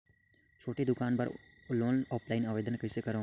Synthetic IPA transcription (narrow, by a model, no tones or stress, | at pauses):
t͡ʃʰoːʈiːd̪ʊkaːnbəɾ | loːnɔːpʰlaːinaːʋeːd̪ənkəseːkəɾõː